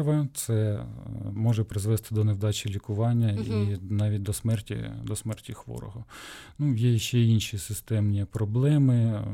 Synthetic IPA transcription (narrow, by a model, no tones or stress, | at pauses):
ʋɐt̪sɛ | mɔʒɛpɾɪzʋɛst̪ɪd̪ɔnewd̪ɑt͡ʃʲilʲikʊʋɑnʲːɐinɑʋʲit̚ʲd̪ɔsmɛrtʲḭd̪ɔsmɛrtʲixʋɔ̰ɾɔ̰ɦɔnujɛjɐʃt͡ʃːɛinʃisɪst̪ɛmnʲipɾɔblˠɛmɪ